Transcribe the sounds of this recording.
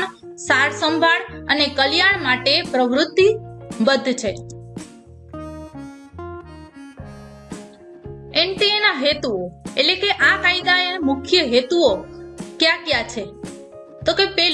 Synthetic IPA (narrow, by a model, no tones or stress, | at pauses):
saɾsəmbʱaɭənekəljaɳmaʈepɾəʋɾʊt̪ːibəd̪ʱːt͡ʃʰe | eɳʈeenaɦet̪uoḛʈlekeʔãkaid̪aemʊkʰjəɦet̪uokjãkjãt͡ʃʰe | t̪okepɛ